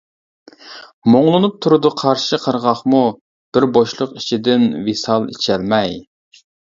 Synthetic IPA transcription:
moŋlˠɨnup̚t̪ʰuɾɨd̪ɨqʰɑɾʃiqʰəɾʁɑχmu | b̥ɪɾboʃlˠʊqit͡ʃʰid̪ɪnwesɑlˠḭt͡ʃʰɛlmɛj

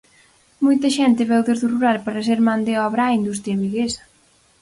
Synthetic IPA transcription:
mojt̪ɐʃɛnt̪ɪβɛwðezðuruɾalpaɾɐseɾmand̪eɔβɾaːind̪us̬t̪ɾʲjɐβiɣesɐ̥

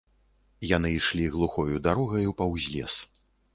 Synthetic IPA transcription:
janɨjʂlʲiɣlˠuxɔjud̪aɾɔɣɐjupɐwzʲlʲɛ̰s

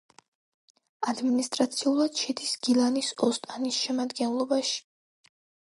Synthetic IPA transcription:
ad̪minist̪ʼɾat̪sʰiulˠad̪̥ʃɛd̪isɡ̥ilˠanisɔst̪ʼanisʃɛmad̪ɡɛnlˠɔbaʃi̥

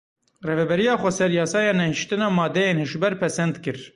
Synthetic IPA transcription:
reːvɛbɛɾijɑːxʷɛsɛɾjɑːsɑːjɑːnɛhiʃt̪ɨnɑːmɑːd̪ɛjeːnhɨʒbɛɾpʰɛsɛnd̪kɨɾ

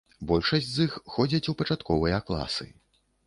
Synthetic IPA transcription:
bɔlʲʂɐsʲt͡sʲzixxɔd͡zʲɐt͡sʲupɐt͡ʂat̪kɔvɨjɐklˠa̰sɨ̰

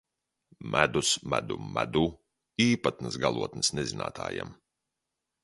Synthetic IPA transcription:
mʔæd̪usmæd̪umæd̪uː | iːpat̪nɨsɡalˠuɔt̪nɨsnezina̰ːt̪ʰa̰ːja̰m

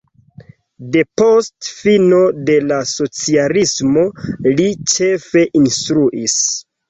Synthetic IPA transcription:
de̞po̞stfino̞de̞laso̞t͡sialismo̞lit͡ʃe̞fe̞ʔinstɾuʔis

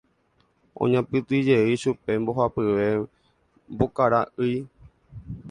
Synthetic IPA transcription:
ʔõ̰ɲãpɨt̪ɨd͡ʒe̞iʃupe̞mbo̞ɦapɨʋe̞ | mbokaɾaʔɨj

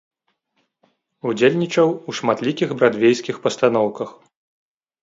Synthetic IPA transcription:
ud͡zʲelʲnʲit͡ʂɐwuʂmat̪lʲikʲiɣbɾad̪vʲejsʲkʲixpɐst̪anɔwkɐx

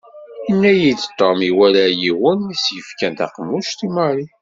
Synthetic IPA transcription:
inːæjid̪t̪ˤːomiwælæjiwənisjəfkænt̪ɑ̰qmːuʃt̪imɑɾi

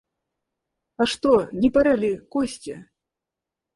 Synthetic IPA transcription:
ɐʂt̪ɔnʲipɐɾalʲikɔsʲt͡sʲɛ̰

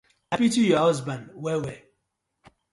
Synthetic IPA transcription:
apitujɔhɔzbãnwɛwɛ

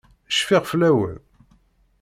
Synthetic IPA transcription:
ʃfiʁflæwə̰l

